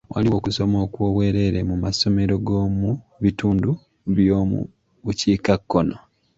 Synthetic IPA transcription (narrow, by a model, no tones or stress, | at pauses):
wʔa̰liwoːkuso̞mo̞ːkwoːβwe̞ːɾe̞ɾemumaso̞me̞ɾo̞ɡoːmuβituːndu | βjoːmṵ | βuciːkakːono